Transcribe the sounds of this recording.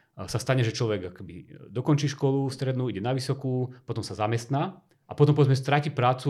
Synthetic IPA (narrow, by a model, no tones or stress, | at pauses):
sast̪aɲɛʒɛt͡ʃlɔʋɛɡakɔ̥kɛbḭd̪ɔkɔnt͡ʃiːʃkɔlufst̪ɾɛd̪nuːiɟɛnaʋisɔkuːpɔt̪ɔmsazamɛst̪na | ʔapɔt̪ɔmpɔʋɛd͡zmɛs̬t̪ɾacipɾaːt͡su